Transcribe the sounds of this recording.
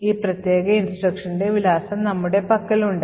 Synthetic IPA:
iːprɐt̪je̞ːɡɐinsʈrɐkʂɐniɖe̞ʋilaːsɐmnɐmːuɽe̞pɐkːɐluɳɖ

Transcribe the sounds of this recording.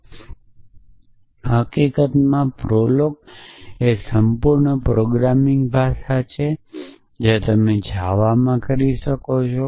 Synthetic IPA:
ɦəkikət̪mãpɾolok̚esəmpuɾɳəpɾoɡɾamɪŋɡbʱaʃat͡ʃʰe | d͡ʒet̪əmed͡ʒʱaʋamãkəɾiʃəkot͡ʃʰo

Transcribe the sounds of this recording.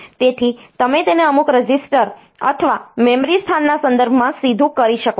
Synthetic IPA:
t̪et̪ʰit̪əmet̪eneəmukɾəd͡ʒisʈəɾ | ə̰t̪ʰəʋamɛmɾist̪ʰanːasənd̪əɾbʱmãsid̪ʱũkəɾiʃəko

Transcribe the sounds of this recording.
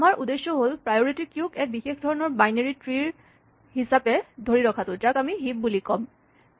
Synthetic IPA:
amaɹʔudesːɔɦolpɹajoɹitikjʊkɛk̚bixexdʱɔɹɔnɔɹbajneɹitɹiɹ | ɦisapɛdʱoɹiɹɔkʰatʊd͡ʒakamiɦip̚bulikɔm

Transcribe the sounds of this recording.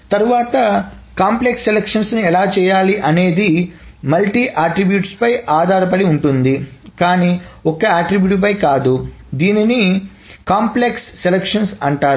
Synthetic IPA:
t̪ɐɾuʋaːt̪ɐkaːmpleksːelekʂɐnsnuɛlaːt͡ʃɛːjaːliʔɐne̞ːd̪imɐlʈiːʔaːʈɾibjuːʈspɐjʔaːd̪ʱaːɾɐpɐɽiuɳʈund̪ikaːniɔkɐaːʈɾibjuːʈp̬ɐjkaːd̪ud̪iːnini | kaːmpleksːelekʂɐnsɐɳʈaː

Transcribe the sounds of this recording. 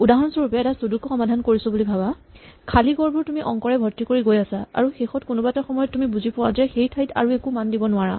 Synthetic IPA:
udaɦɔnsɔɹupɛɛtasudukuxɔmadʱankoɹisɔbulibʱaba | kʰaliɡɔɹbuɹtumiʔɔŋkɔɹɛbʱɔtːikoɹiɡojasaa̰ɹuxexɔtkunɔbaɛtaxɔmɔjɔtːumibuzipʊwazɛxejtʰajtʰa̰ɹuekumandibɔnʊaɹa̰

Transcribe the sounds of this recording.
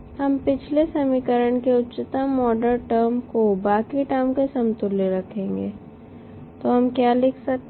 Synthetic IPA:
hɐmpɪt͡ʃʰlesɐmikəɾəɳkeʊtːt͡ʃɪt̪amɔːɖəɾʈəɾmkobaːkiʈaɪmkesɐmt̪ʊleɾɐkʰẽːŋɡeː | t̪oɦɐmkjaːlɪkʰsɐk̚t̪

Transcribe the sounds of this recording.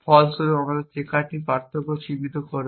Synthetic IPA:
fʰɔlsoɾeɔmad̪eɾt͡ɕekaʈipaɾt̪ʰokoʃibid̪okoɾ

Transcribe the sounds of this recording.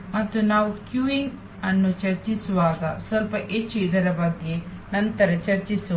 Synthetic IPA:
mɐt̪ːunaːʋukjuːiŋɡ | ɐnːut͡ʃɐɾt͡ʃisuʋaːɡɐsʋɐlpɐʔet͡ʃːuid̪ɐɾɐbɐɡːe̞ | nɐnt̪ɐɾɐt͡ʃɐɾt͡ʃisu

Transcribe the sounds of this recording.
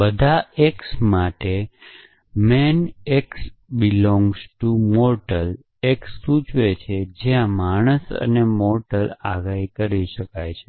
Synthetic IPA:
bəd̪ʱaeksmaʈe | mɛneksbilɔ̃ŋɡzʈumɔɾʈəl | eksːut͡ʃʋet͡ʃʰed͡ʒeãmaɽ̃əsə̰nemɔɾʈəlaɡaikəɾiʃəkajt͡ʃʰe̥

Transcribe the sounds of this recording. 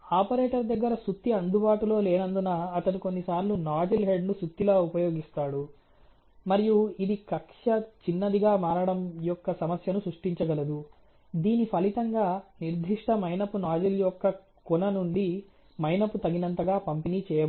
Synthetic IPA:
aːpɐɾeːʈɐɾd̪ɐɡːɐɾɐsut̪ːiɐnd̪ubaːʈulo̞ːleːnɐnd̪unɐːɐt̪ɐniko̞nːisaːɾlunaːd͡ʒɐlɦeɖnusut̪ːilaːupɐjo̞ːɡist̪aːɽu | mɐɾijuid̪ikɐkʂɐt͡ʃinːɐd̪iɡaːmaːɾaːɽɐmjɔkːɐsɐmɐsjɐnusɾuʂʈiɲt͡ʃɐɡɐlɐd̪u | d̪iːnipʰɐlit̪ɐŋɡaːniɾd̪ʱiʂʈɐmɐjnɐpːunaːd͡ʒɐljɔkːɐ | kunɐnuɳɖi | mɐjnɐpːut̪ɐɡinɐnt̪ɐɡaːpɐmpiniːt͡ʃɛːjɐ

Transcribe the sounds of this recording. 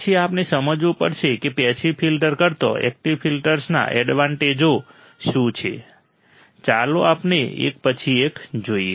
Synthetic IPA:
t͡ʃʰiapnesəməd͡ʒʋũpə̰ɾʃʰekepɛsifʰilʈəɾkəɾt̪o̰ɛ̰k̚ʈiʋpʰilʈəɾsna̰ʔɛɖʋaɳʈed͡ʒo | ʃũt͡ʃʰḛ | t͡ʃaloapnḛḛk̚pət͡ʃʰiekd͡ʒoie

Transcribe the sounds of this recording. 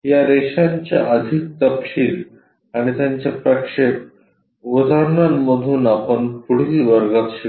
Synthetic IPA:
jaɾeɕaɲt͡ɕja̰ʔəd̪ʱik̚t̪əpɕiːl | aɽ̃it̪jaɲt͡ɕjapɾəkʂek | ʋud̪ʱaɾnanməd̪ʱuːnapəɳpuɽiʋəɾɡat̪ɕi

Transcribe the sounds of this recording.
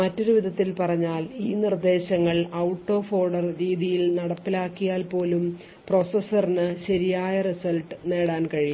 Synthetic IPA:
mɐtːo̞ɾuʋiðɐt̪ːilpɐrɐɲːaːliːnird̪e̞ːɕɐŋːɐɭɐwʈːo̞ːfo̞ːrɖɐrɾiːðijilnɐɽɐpːilaːkːijaːlpo̞ːlum | pro̞sɐsɐrinɨɕɐɾijaːjɐrisɐlʈɨne̞ːɽaːnkɐɻi

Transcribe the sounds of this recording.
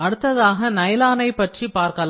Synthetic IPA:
ɐɽɯt̪ːɐðaːɣɐnɐjlaːnɐɪpːɐʈripaːɾkɐl

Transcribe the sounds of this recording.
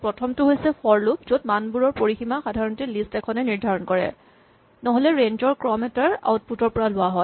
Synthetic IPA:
pɹɔtʰɔmtʊɦojsɛfɔɹluk̚zot̚manbuɹɔɹpoɹiximaxadʱaɹɔntilistɛkʰɔnɛniɹdʱaɹɔnkɔɹɛ̰ | nɔɦolɛɹend͡ʒɔɹkɹɔmɛtaɹa̰ut̚putɔɹpɔɹalʊaɦɔ

